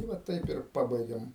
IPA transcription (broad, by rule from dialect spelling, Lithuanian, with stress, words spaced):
tɐɪ ˈʋɐ ˈtɐɪp ɪr ˈpɑːbɐɪɡʲeːm